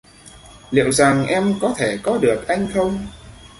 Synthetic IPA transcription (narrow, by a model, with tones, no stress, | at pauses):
lḭ˧˨wza˨˩ŋʔɛ˧mkɔ˨˦t̪ʰe˧˩kɔ˨˦ɗɨ˨˩ək̚ʔa˧jŋ̟xə˧wŋ͡m